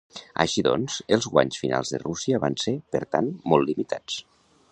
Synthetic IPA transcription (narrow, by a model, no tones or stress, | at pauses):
ə̰ʃiðɔ̰nz̥əlˠzɣwaɲsfina̰lˠzðə̰rusiəβansepəɾt̪anmɔlˠlimit̪ʰat͡s